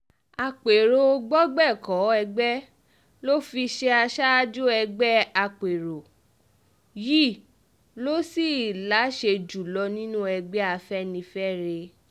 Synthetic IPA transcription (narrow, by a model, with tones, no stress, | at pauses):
a˧k͡pe˨ɾo˧ɡ͡bɔ˦ɡ͡bɛ˦˨kɔ˨˦ɛ˧ɡ͡bɛ˦ | lo˦fi˧ʃe˧a˧ʃa˦d͡ʒo˦ɛ˧ɡ͡bɛ˦a˧k͡pe˨ɾo˨ | ji˦˨ | lo˦si˦˨la˨˦ʃe˧d͡ʒu˨lɔ˧nĩ˦nũ˦ɛ˧ɡ͡bɛ˦a˧fɛ˦nĩ˧fɛ˦ɾe˧